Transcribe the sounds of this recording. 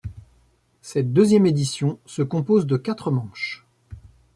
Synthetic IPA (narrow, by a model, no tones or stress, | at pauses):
sɛt̪̚d̪øzjɛmed̪isjɔ̃səkɔ̃pozd̪əkat̪χəmɑ̃ʃ